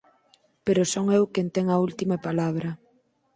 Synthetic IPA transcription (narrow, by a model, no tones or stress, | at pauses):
peɾosoŋewkent̪eŋɐult̪imɐpalaβ̞ɾɐ